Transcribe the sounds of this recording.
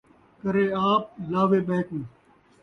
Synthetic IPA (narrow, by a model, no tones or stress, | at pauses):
kəɾeːaːp̚laːʋeːɓeːkũː